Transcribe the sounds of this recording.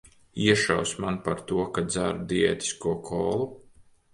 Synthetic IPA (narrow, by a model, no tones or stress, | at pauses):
iɛʃa̰wsʲmanpaɾt̪uɔkad̪zaɾud̪iɛ̰ːt̪i̥skuɔkʰɔːlˠu